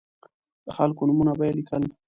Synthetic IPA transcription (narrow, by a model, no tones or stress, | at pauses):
d̪̥əxalkonʊmunabajelikəl